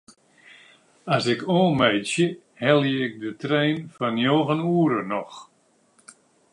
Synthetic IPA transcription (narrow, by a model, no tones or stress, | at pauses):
asɪkoːmɛjsjə | hɛlˠjəɪk̚dətrɛjnfɔnjoːɣənuːɾənɔx